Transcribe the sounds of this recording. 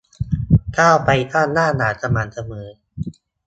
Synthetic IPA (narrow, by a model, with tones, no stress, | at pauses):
kaː˥˩wpa˧jk̪aː˥˩nnaː˥˩naː˩˦ta˧maː˨˦nsa˧mɤː˨˩˦